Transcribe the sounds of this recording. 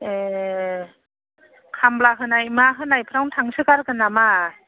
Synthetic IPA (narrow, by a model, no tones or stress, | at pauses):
e | kʰamblaɦɯnajmaɦɯnajpʰɾawntʰaŋsɯkaɾkɯnama